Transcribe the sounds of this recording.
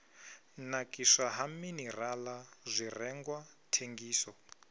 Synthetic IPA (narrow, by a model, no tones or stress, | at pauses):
nakʼiʂaɦaminiralazʷirɛŋɡwatʰeŋɡiːsɔ